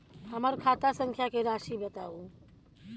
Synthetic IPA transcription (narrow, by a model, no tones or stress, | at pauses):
həməɾkʰat̪asə̃ŋkʰjakeɾaʃibət̪au